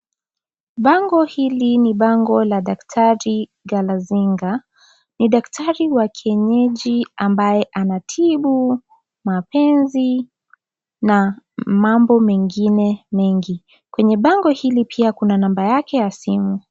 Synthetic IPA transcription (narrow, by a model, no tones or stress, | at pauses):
ɓaŋɡɔhiliniɓaŋɡɔlaɗaktʰaɾi | ɡalaziŋɡa | niɗaktʰaɾiwakʰɛɲɛʄiambajɛʔanatʰiɓu | mapɛnzi | namambɔmɛŋɡinɛmɛŋɡi | kwɛɲɛɓaŋɡɔhilipiakunanambajakɛjasimu